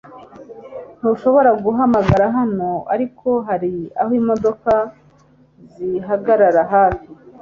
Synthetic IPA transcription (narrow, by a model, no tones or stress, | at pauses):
n̥uʃo̞βo̞ɾaɡuɦamaɡaɾaɦano̞a̰ɾikʰo̞ɦaɾia̰hwiːmo̞do̞ka | ziɦaɡaɾaɾaɦaːfi